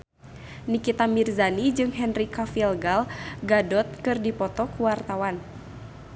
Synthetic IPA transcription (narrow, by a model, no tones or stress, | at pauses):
nikit̪amirzanid͡ʒɨŋɦɛnrikafilɡalɡadɔt̪̚kɨrdipɔt̪ɔkuwart̪awan